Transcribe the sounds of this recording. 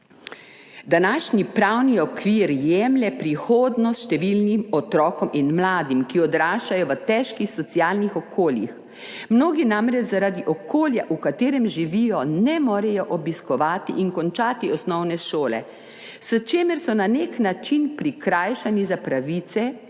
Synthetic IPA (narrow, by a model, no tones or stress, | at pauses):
d̪anaːʃnipɾawniɔkʋiːɾjɛmlɛpɾixoːd̪nɔsʃt̪ɛʋilnimɔt̪ɾɔːkɔmʔinmlaːd̪imkiɔd̪ɾaːʃt͡ʃajɔʋət̪ɛʃkixsɔt̪siaːlnixɔkʰoːljḭx | mnoːɡinamɾɛt͡ʃzaɾad̪iʔɔkoːljaʔukat̪eːɾɛmʒiʋiːjɔnɛmɔːɾɛjɔʔɔbiskɔʋaːt̪ḭʔinkɔnt͡ʃaːt̪iɔsnɔwnɛʃoːlɛ̰ | sət͡ʃeːmɛɾsɔnaneknat͡ʃinpɾikɾaːjʃanizapɾaʋiːt̪sɛ